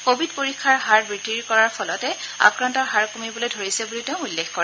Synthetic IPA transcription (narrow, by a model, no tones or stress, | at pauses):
kobʱidpoɹikʰːaɹɦaɹbɹitiɹkɔɹaɹpʰɔlɔtɛa̰kɹantɔɹɦaɹkumibɔlojdʱoɹisɛbuliteʊ̃ulːexkoɹɛ